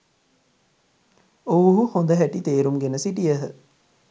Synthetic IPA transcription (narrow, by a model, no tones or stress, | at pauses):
oʋuɦuhond̪əɦæʈit̪eːɾumɡenəsiʈijəɦə